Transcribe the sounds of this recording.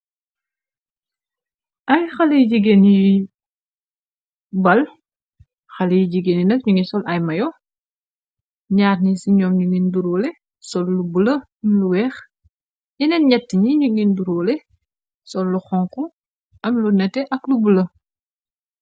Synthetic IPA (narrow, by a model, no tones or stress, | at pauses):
ʔɐjxɐlɐjid͡ʒiɡenji | bɐl | xɐlɐjiɟiɡenjinɐk̚ɲuŋisɔlʔɐjmɐjɔ | ɲaːɾnisiɲɔːmɲuɡinduɾɔːlɛ | sɔlːubulɐ | ɐmluwɛːx | inɛnɲɛtːiɲiɲuɡinduɾɔːlɛ | sɔlːuxɔŋku | ʔɐmlunɛtɛʔɐklubulɐ